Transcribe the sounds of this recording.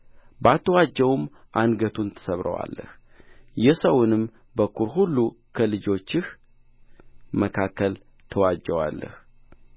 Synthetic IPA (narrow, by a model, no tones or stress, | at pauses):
bat̪ʰːəwad͡ʒːəwum | ʔanɡət̪ʰunt̪ʰə̥səβɾə̰wa̰lːə̰h | jɛsəwʊnɨm | bəkʰuɾɦulːukʰəlɨd͡ʒo̞t͡ʃːɪh | məkʰakʰːəl | t̪ʰəwad͡ʒːəwa̰lːə̰h